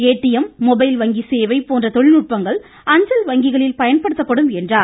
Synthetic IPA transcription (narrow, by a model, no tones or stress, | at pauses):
eːʈːɪjɐmːɔbɐɪlʋɐŋɡiseːʋɐɪpːoːndrɐt̪ɔɭɪnʊʈ̚pɐŋɡɐɭ | ɐɲd͡ʒɐlʋɐŋɡɪɣɐɭɪlpɐjɐnpɐɽɯt̪ːɐpːɐɽɯmɛndraːɾ